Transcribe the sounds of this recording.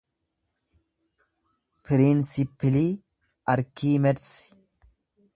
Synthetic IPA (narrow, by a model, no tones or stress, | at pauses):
pɪɾɪnsɪpːɪli | ʔɐɾkiːmɛɾs